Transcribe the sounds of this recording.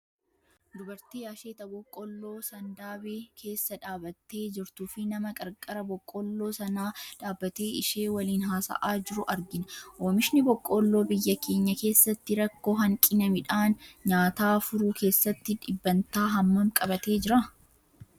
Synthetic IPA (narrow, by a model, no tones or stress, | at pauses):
d̪ʊbɐɾt̪iːɐʃeːt̪ɐbɔkʼːɔlːo̞ːsɐnd̪aːbeːkʰe̞ːsːɐᶑaːbɐt̪ːe̞ːd͡ʒɪɾt̪ufɪnɐmɐkʼɐɾkʼːɐɾɐbɔkʼːɔlːo̞ːsɐnaːᶑaːbːɐt̪e̞ːɪʃe̞ːwɐliːnɦaːsɐ̰ʔaːd͡ʒɪɾʊʔɐɾɡɪnɐʔoːmɪʃnɪbɔkʼːolːo̞ːbɪjːɐkʰe̞ːɲːɐke̞ːsːɐt̪ːɪɾɐkːo̞ːɦɐŋkʼɪnɐmɪᶑaːnɲaːt̪aːfʊɾuːkʰe̞ːsːɐt̪ːɪᶑɪbːɐnt̪aːɦɐmːɐmkʼɐbɐt̪e̞ːd͡ʒɪɾɐ